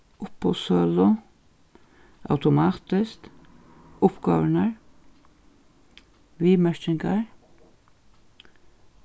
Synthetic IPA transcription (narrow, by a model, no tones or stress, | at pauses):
ʔʊpːʊsœːlʊ | ʔa̰wt̪ʊmɑːt̪ɪst | ʊpɡɑ̰ːʋnaɹ | ʋiːmɛɹt͡ʃɪŋkaɹ